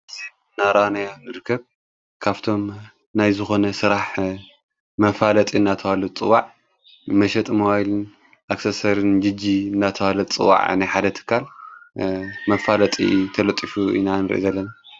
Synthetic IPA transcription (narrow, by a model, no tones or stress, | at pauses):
ʔɨzi | ɨnːaɾanajanɨɾɨkʰːɐβ | kʰaβt̪ʰo̞m | najzɨxo̞nɐsɨɾaħ | mɐfalɐt̪ʼiɨnːat̪ʰɐwalɐt͡sʼɨwaʕ | mɐʃɛt̪ʼmowajlɨn | ʔaksɐsɐɾɨnd͡ʒɨd͡ʒiɨnːat̪ʰɐwalɐt̪t͡sʼɨ̰wːa̰ʕnajħad̪ɐt̪ʰɨ̥kʰːal | mɐfalɐt̪ʼḭt̪ʰɐlɐt̪ʼifuḭnanɨɾɨ̰ʔḭzɐlːɐna